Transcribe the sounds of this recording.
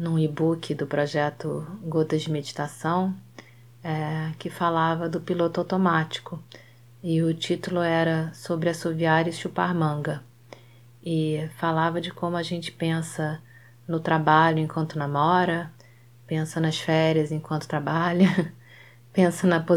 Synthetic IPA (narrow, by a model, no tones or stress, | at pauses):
nũibukʰɪd̪ʊpɾɔʒɛt̪ʊɡot̪ɐd͡ʒɪmed͡ʒit̪asɐ̃w̃ | ɛkɪfalavɐd̪ʊpilot̪ʊawt̪omat͡ʃi̥kʊ | ɪʊt͡ʃit̪ulʊɛɾɐsobɾɪɐsoviaɾɐɪʃupa̰ɾmɐ̃ɡɐ | ɪfalavɐd͡ʒɪkõmʊaʒẽnt͡ʃɪ̥pẽsɐ | nʊt̪ɾabaʎʊẽkwɐ̃nt̪ʊnɐmɔɾɐ | pẽsɐnɐsfɛɾjɐzẽkwɐ̃nt̪ʊ̥t̪ɾabaʎɐ | pẽsɐnɐpo